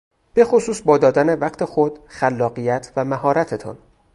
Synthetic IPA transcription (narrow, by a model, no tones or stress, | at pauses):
b̥e̞xosuːsbɒːd̪ɒːd̪æne̞væqt̪ʰe̞xod̪xælːɒːɢijæt̪ʰvæmæɦɒːɾæt̪ʰet̪ʰɒ̰n